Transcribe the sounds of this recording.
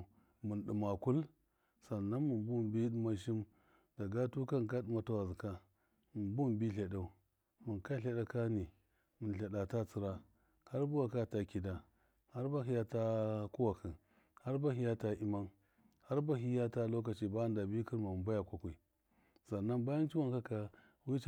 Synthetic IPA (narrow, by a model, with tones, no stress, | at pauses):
mu˨nɗu˨ma˨ku˦l | sa˨nːa˦nmu˨mbu˦˨mbi˦ɗu˦ma˦ʃ̬i˦m | da˨ɡa˦tu˦ka˦n˨ka˦ɗu˦ma˦ta˦wa˨zi˨ka˦ | mu˨mbu˦˨bi˦ɬa˨da˨u˦ | mu˨nka˦ɬa˦da˦ka˦ni˨ | mu˨nɬa˨ɗa˨ta˦t͡si˦ɾa˦ | ha˦ɾbu˦wa˨ka˦˨ta˦ki˨da˨ | ha˦ɾba˦ɦi˦ja˦ta˦ku˦wa˨kʰi˨n | ha˦ɾba˦ɦi˦ja˦ta˦i˦ma˦n | ha˦ɾba˦ɦi˦ja˦ta˦lo˦ka˨t͡ʃi˦ba˦nda˨bi˦ki˦ɾma˨ba˦ja˨kʷa˦kʷu˨i˨ | sa˨nːa˦nba˦ja˦nt͡ʃi˦wa˦nka˦ka˨ | wi˦t͡ʃ